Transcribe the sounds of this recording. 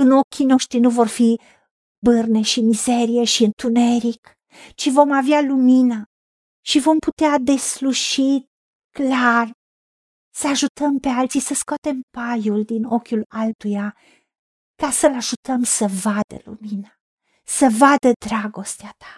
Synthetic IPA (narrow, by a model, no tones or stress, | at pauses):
ɨno̞kʲino̞ʃt̪ɾinuvo̞rfi | bɨrne̞ʃimize̞ɾije̞ʃiɨnt̪une̞ɾik | t͡ʃivo̞mavealumina | ʃivo̞mput̪ead̪e̞sluʃit̪̚ | klar | səaʒut̪ʰəmpealt̪sisəskoat̪e̞mpajuld̪ino̞kʲulalt̪uja | kasəlaʒut̪əmsəvad̪ə̰lṵmina | səvad̪əd̪ɾaɡo̞st̪eat̪ʰḁ